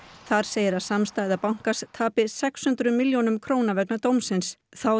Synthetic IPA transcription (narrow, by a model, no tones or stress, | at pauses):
θaɾ̥seːjɪɾaðsamst̪aːjðapawŋ̥kast̪ʰaːpɪsɛkshʏnt̪ɾʏmɪljonʏmkʰɾoːwnavɛknat̪oːwmsɪnsθaw